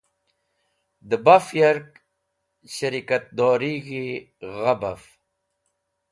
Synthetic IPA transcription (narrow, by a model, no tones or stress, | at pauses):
d̪əbafjɐɾk | ɕɐɾikat̪̚d̪oːɾiɣi | ɣabaf